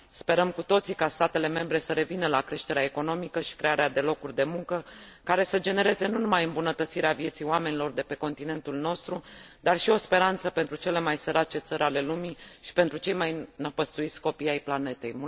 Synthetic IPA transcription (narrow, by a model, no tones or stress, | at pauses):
spe̞ɾəmkut̪o̞t̪sikast̪at̪e̞le̞me̞mbɾe̞səɾe̞vinəlakɾe̞ʃt̪e̞ɾeaeko̞no̞mikəʃi̥kɾe̞aɾead̪e̞lo̞kurʲd̪e̞muŋkəkaɾe̞səd͡ʒe̞ne̞ɾe̞ze̞nunumajɨmbunət̪ət̪siɾeavje̞t̪sijoame̞nilo̞rd̪e̞pe̞ko̞nt̪ine̞nt̪ulno̞st̪ɾu | d̪arʃio̞spe̞ɾant̪səpent̪ɾut͡ʃe̞le̞majsəɾat͡ʃe̞t̪səɾʲale̞lumiʃi̥pe̞nt̪ɾut͡ʃe̞jmajnəpəst̪uit̪sʲko̞pijajplane̞t̪e̞̰jm